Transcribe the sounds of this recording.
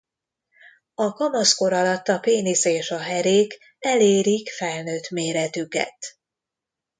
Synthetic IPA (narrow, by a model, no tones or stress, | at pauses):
ɒkɒmɒsko̞ɾɒlɒt̪ːɒpeːniseːʃɒɦɛɾeːk | ɛleːɾikfɛlnøːt̪meːɾɛt̪ykɛ̰t̪